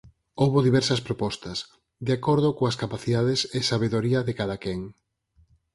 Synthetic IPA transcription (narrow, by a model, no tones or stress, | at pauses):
owβoðiβɛɾsɐspɾopɔst̪ɐs | d̪eakoɾð̞ʊkoɐskapaθiðaðesɪsaβeðoɾiɐðekaðakɛŋ